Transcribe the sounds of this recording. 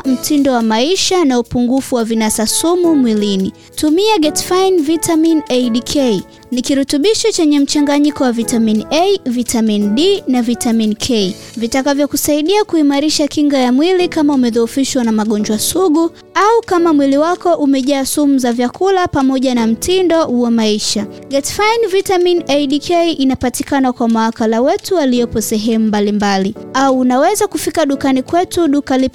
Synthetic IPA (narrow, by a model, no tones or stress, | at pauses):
m̩tʰindɔwamaiʃanaupuŋɡufuwavinasasumumwilini | tumiaɡɛtfajnvitʰaminɛɗikʰɛi | nikiɾutuɓiʃɔt͡ʃɛɲɛm̩t͡ʃaŋɡaɲikɔwavitaminɛivitaminɗinavitaminkʰɛivitakavjɔkusaiɗiakuimaɾiʃakiŋɡajamwilikamaumɛðɔufiʃwanamaɠɔnd͡ʒwasuɠu | aukamamwiliwakɔʔumɛʄaːsumuzavjakʰulapamɔʄanam̩tʰindɔwamaiʃaɡɛtfajnvitaminɛɗikʰɛʔinapatikanakwamawakalawɛtualijɔpɔsɛɦɛmumbalimbaliauːnawɛzakufikaɗukanikwɛtuɗukalip